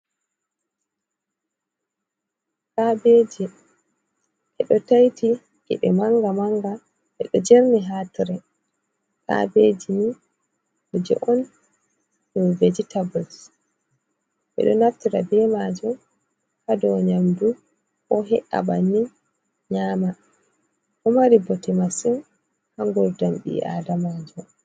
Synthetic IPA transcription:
kabed͡ʒi | ʔɛɗɔtajtʰi | ʔɛ̰ɓɛmaŋɡamaŋɡa | ʔɛɗɔd͡ʒeɾniɦaːtiɾɛ | ka̰bed͡ʒini | ɔd͡ʒɛ̰ʔɔn | nɔved͡ʒitabɔs | ɓɛ̰ɗɔnaftiɾabɛmad͡ʒum | hadɔɲamdu | ʔɔɦɛʔa̰banːi | ɲaːma | hɔmaɾibɔtɛmasin | haŋɡɔɾdamɓḭʔa̰damaːd͡ʒɔ

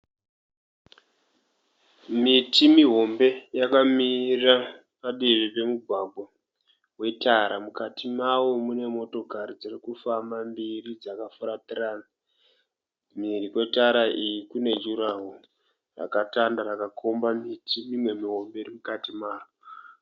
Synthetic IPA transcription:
mitimiɦo̞mbe̞jakamira | paɗiʐipe̞muɡʱwaɡʱwo | we̞taɾamukatʰimawo̞mune̞mo̞to̞kaɾid͡zirikufamambirid͡zakafuɾatiraːna | mirikwe̞taɾaʔijikune̞d͡ʒuɾaɦo | ra̰katandarakakʰo̞mbamitimimwe̞miɦo̞mbe̞rimukatimaːwo

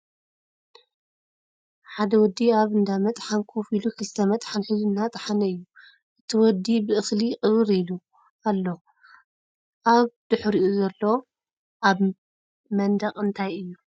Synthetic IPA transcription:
ħad̪ɐwɔd̪ːiaβɨnd̪amɐt̪ʼħankʰofilukʰɨlt̪ʰɐmɐt̪ʼħanħɨznːat̪ʼħanɐɨjːu | ʔɨt̪ʰiwɔd̪ːibɨʔɨxliʔʼɨβɾilu | alːo̞ | ʔaβd̪̥ɨħɾiʔuzɐlːo̞ | ʔaβ | mɐnd̪ɐqʼɨnt̪ʰajɨjːu

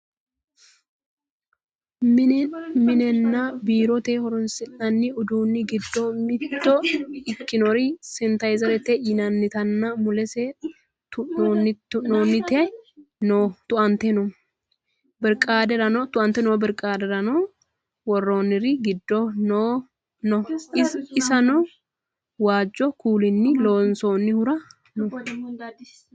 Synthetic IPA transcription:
mmɪnɛnːɐbiːɾɔt̪ehɔɾɔnsɪnɐnːɪʊd̪uːnːɪɡɪd̪ːɔmɪt̪t̪ːɔɪkːɪnɔɾɪsɛnt̪ɐjzɛɾɛt̪ɛʔɪnɐnːɪt̪ɐnːɐmʊlɛsɛ | t̪ʊnonɪtːʊoːnːɪt̪ɛɐjnoːt̪ʊʔɐnt̪ɛnɔ | bɛɾkʼaːd̪ɛɾɐnɔːt̪ʊʔɐnt̪ːɛnoːbɛɾkʼaːd̪ɛɾɐnoː | wɔrːoːnːɪɾɪɡɪd̪ːɔnoː | nɔ | ɪsɐnɔ | waːd͡ʒːɔkuːlɪnːɪloːnso̞ːnːɪhʊɾɐ | nɔ

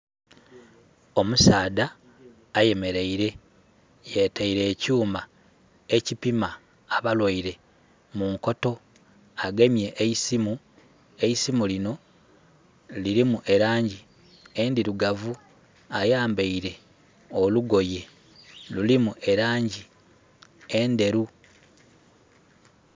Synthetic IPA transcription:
o̞musaːdaː | je̞me̞ɾe̞iɾe̞ | jetaiɾe̞ːcuːma | e̞cipimaː | βalwaiɾe̞ | muŋko̞to̞ | aɡe̞mje̞ʔeisimu | e̞isimulino̞ | liɾimuʔe̞ɾaːɲɟi | endiɾuɡavu | ajaːmbeiɾe̞ | oluɡo̞je̞ | lulimuʔe̞ɾaːɲɟi | e̞nde̞ɾu

